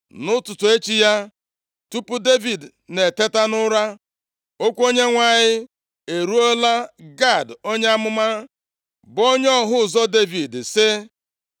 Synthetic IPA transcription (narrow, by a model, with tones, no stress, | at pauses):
nʊ˦tʊ˨tʊ˨e˦t͡ʃi˦ja˦ | tu˦pʊ˦de˦vi˨dne˨te˦ta˦nʊ˦ɾa˦ | o˦kʷo˦ɲe˦ŋʷa˦˨ɲɪ˦ | e˨ɾu˦o˦la˦ɡa˦˨do˦ɲe˦a˦mʊ˦ma˦ | bo˦ɲ˦ɔ˦ɦʊ˦zɔ˦de˦vi˨dsɪ˦